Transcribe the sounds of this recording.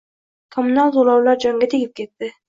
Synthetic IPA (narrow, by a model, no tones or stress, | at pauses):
kʰɒmʊnalˠzolˠawlaɾd͡ʒɒŋɡʲat̪ʰeɡʲɪp̚kʲʰe̞t̪ːɪ